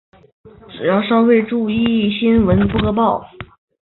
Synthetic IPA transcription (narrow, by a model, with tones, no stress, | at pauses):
ʈ͡ʂɻ̩˨˩jɑ˥˩ʊʂɑ˥ʊwe˥˧ɪʈ͡ʂu˥˧i˥˧˥ɕi˥nwə˧˥npu˥˩kɤ˧˥p̬ɑ˥˩ʊ